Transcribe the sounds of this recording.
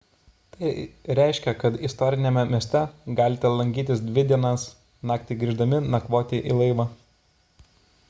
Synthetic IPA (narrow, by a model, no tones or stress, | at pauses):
t̪ɐɪɾʲɛɪʃʲkʲɛkɐt̪ɪst̪ɔɾʲɪnʲɛmʲɛmʲiɛsʲt̪ʲɛɡɑːlʲɪt̪ʲɛlˠɐŋʲɡʲiːt̪ʲɪsd̪ʲʋʲɪd̪ʲiɛnɐs | nɑːkt̪ʲɪɡɾʲiːʒd̪ɐmʲɪnɐkʋoːt̪ʲɪʔḭlˠɐɪʋɑː